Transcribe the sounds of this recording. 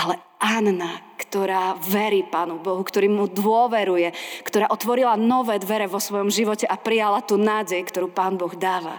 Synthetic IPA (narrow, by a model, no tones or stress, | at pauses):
ʔalɛ | annakt̪ɔɾaːʋɛɾiːpaːnubɔɦukt̪ɔɾiːmud̪ʋʊɔʋɛɾujɛkt̪ɔɾaːʔɔt̪ʋɔɾilanɔʋɛːd̪ʋɛɾɛʋɔsʋɔjɔmʒiʋɔcɛʔapɾijalat̪uːnaːɟɛjkt̪ɔɾuːpaːnbɔɣd̪aːʋa̰